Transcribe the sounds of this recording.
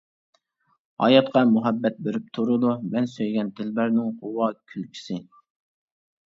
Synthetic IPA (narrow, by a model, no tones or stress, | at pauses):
hɑ̰jɑt̪qɑmuɦɛbːɛt̪̚beɾyp̚t̪ʰuɾʊd̪umɛnsøjɡʲɛnt̪ʰɪlbæɾnɪŋqʰʊwɑkʲʰylkʲʰi̥sɪ